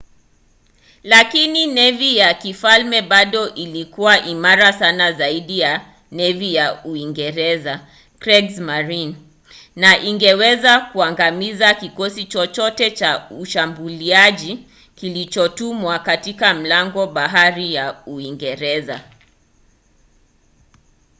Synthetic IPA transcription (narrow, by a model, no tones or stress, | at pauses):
lakininɛvijakifalmɛɓaɗɔʔilikuwaʔimaɾasanazaiɗija | nɛvijauiŋɡɛɾɛza | kɾɛɡzmaɾin | naʔiŋɡɛwɛzakuaŋɡamizakikɔsit͡ʃɔt͡ʃɔtɛt͡ʃauʃambuliaʄi | kilit͡ʃɔtumwakatikam̩laŋɡɔɓaɦaɾijauiŋɡɛɾɛza̰